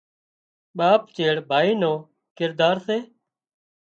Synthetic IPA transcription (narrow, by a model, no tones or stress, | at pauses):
ɓaːpt͡ʃeːɽbʱaːiːnoː | kɪɾd̪aːɾseː